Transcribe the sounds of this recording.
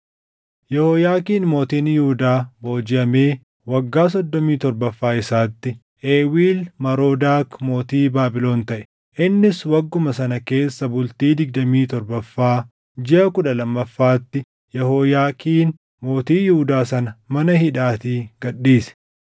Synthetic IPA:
jɛhoːjaːkiːnmo̞ːt̪iːnjuhʊd̪aːbo̞ːd͡ʒɪʔɐme̞ː | wɐɡːaːs̬ɔd̪ːɔmiːt̪ɔɾbɐfːaːɪsaːt̪ːɪ | ʔeːwiːlmɐɾoːd̪aːkmo̞ːt̪iːbaːbɪlo̞ːnt̪ɐʔɛ̥ | ʔɪnːɪswɐɡːʊmɐsɐnɐke̞ːsːɐbʊlt̪iːd̪ɪɡ̚d̪ɐmiːt̪ɔɾbɐfːaː | d͡ʒɪʔɐkʊᶑɐlɐmːɐfːaːt̪ːɪ | jɛhoːjaːkiːn | mo̞ːt̪iːjʊhʊd̪aːsɐnɐmɐnɐɦɪᶑaːt̪iːɡ̥ɐɗːiːsɛ̥

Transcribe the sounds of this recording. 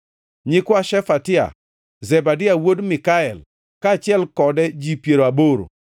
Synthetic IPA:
ɲɪkwaʃɛfatɪa̰ | zɛbadɪawodmɪkaɛl | kaːt͡ʃɪɛlkɔdɛd͡ʒipjeɾoaboɾo̰

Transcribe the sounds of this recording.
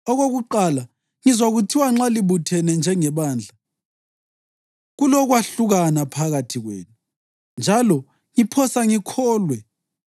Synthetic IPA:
ɔɣoɣuǃala | ŋizwaɣutʰiwaŋ͡ǁaliβutʰɛnɛnd͡ʒʱɛŋɛβaːnd͡ɮʱa | ɣulɔɣwaɬuɣanapʰaɣatʰiɣwḛːnu | nd͡ʒʱalɔ | ŋipʰɔsaŋikʰɔːlwɛ

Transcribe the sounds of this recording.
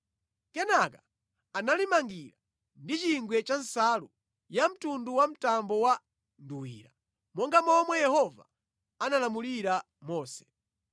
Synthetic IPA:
kɛnakaː | nalimaŋɡiɾa | ndit͡ʃiŋɡwɛt͡ʃan̩salu | jam̩tunduwam̩tambɔwa | nduwḭːɾa | mɔŋɡamɔmwɛjɛhɔva | analamuliɾa | mɔːsɛ̥

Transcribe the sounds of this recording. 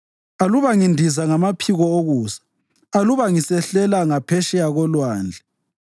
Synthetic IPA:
aluβaŋindʱizaŋamapʰiɣɔoɣuːsḁː | luβaŋisɛɬɛlaŋapʰɛʃɛjaɣɔlwaːnd͡ɮʱɛ

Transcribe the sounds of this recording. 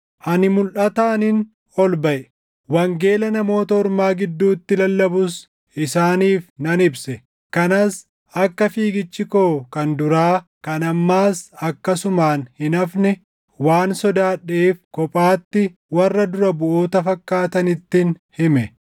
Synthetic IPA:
ʔɐnɪmʊlʔɐt̪aːnɪn | ɔlbɐʔɛ | wɐŋɡe̞ːlɐnɐmo̞ːt̪ɐɔɾmaːɡɪd̪ːuːt̪ːɪlɐlːɐbʊs | ɪsaːniːfnɐnɪbsɛ | kɐnɐs | ɐkːɐfiːɡɪt͡ʃːɪkoːkɐnd̪ʊɾaː | kɐnɐmːaːsɐkːɐsʊmaːnhɪnɐfnɛ | waːnsɔd̪aːᶑeːfkɔpʼaːt̪ːɪwɐrːɐd̪ʊɾɐbʊʔoːt̪ɐfɐkʼːaːt̪ɐnɪt̪ːɪn | hɪmɛ

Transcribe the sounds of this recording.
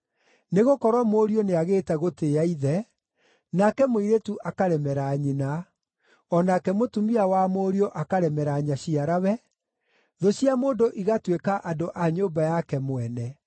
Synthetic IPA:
neɣokɔɾwɔmoːɾioneaɣeːtɛɣoteːaiðɛ | nakɛmoiɾetuʔakaɾɛmɛɾaɲina | ɔnakɛmotumiawamoːɾioʔakaɾɛmɛɾaɲaɕiaɾawɛ | ðoɕiamoːndoʔiɣatwekaʔadoʔaɲoːbajakɛmoɛnɛ

